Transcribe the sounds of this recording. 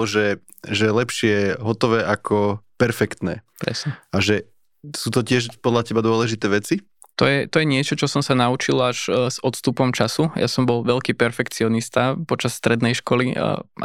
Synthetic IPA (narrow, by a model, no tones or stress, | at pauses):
ɔʒɛ | ʒɛlɛpʃɪɛɦɔt̪ɔʋɛːʔakʰɔpɛɾfɛkt̪nɛ̰ːpɾɛ̰sɲɛaʒɛ | suːt̪ɔcɪɛʃpɔd̪lacɛbad̪ʊɔlɛʒit̪ɛːʋɛt͡si | t̪ɔjɛt̪ɔjɛɲɪɛt͡ʃɔt͡ʃɔsɔmsanaut͡ʃilaʒzɔt̪st̪upɔmt͡ʃasuja̰sɔmbɔlʋɛlkiːpɛɾfɛkt͡siɔnist̪apɔt͡ʃasːt̪ɾɛd̪nɛjʃkɔlḭ